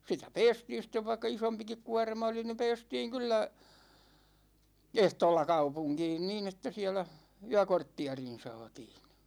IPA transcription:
sitæ pɛːstiːn̞ sĭtˑeʋ ʋɑikːɑ isompikik kuɒrmɑ oli ni pɛːstiːŋ kylːæ ehtoːlːɑ kɑupuŋkiːn niːn etːæ siɛlæ yækortːiɑrin̞ sɑːtiːn̞

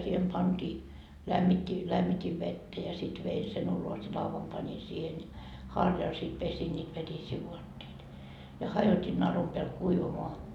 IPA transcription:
siːhem pɑntiː læmːitʲːi læmːitʲiʋ ʋetːæ jɑ sit ʋei sen ulos jɑ lɑuʋɑm pɑnʲi siːhen jɑ hɑrjɑl sit pesin nʲiːt ʋetisiː ʋuɑtːeitɑ jɑ hɑjoti nɑrum peæl kuiʋɑmoɑ

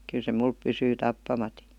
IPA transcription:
kyl se mulp pysyː tɑpːɑmɑti

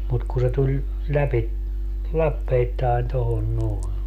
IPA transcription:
mut ku se tulʲ læpi lɑpːeitːɑen tohon noe

